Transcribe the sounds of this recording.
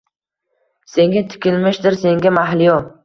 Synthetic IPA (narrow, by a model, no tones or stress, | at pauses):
se̞ŋɡʲat̪ʰɪ̥kʲɪlmɪʃd̪ɪɾse̞ŋɡʲamaɦlijɒ